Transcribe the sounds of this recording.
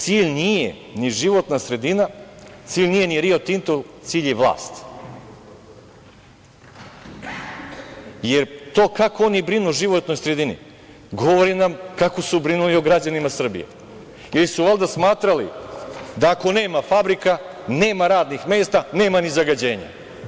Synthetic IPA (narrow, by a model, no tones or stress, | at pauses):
t̪siːʎnijḛ | niʒiʋo̞t̪nasɾe̞d̪inat̪siːʎnije̞niɾio̞t̪int̪olt̪siːʎeʋlˠa̰ːst̪ | je̞ɾt̪o̞ːkakoonibɾinuʒiʋot̪no̞jsɾe̞d̪inḭ | ɡo̞ʋoɾinamkako̞subɾinulio̞ɡɾad͡ʑanimasr̩bḭjḛ | ilisuʋalˠd̪asmaːt̪ɾalḭd̪aːko̞ne̞ːmafabɾikane̞ːmaɾaːd̪nixme̞ːst̪ane̞ːmanizaɡad͡ʑe̞ːɲa̰